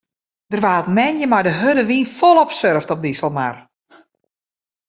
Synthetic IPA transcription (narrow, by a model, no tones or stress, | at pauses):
d̥ərʋaːətmɛnjəmajdəɦødəʋinfɔlˠɔpsørftɔp̚disəlˠma̰r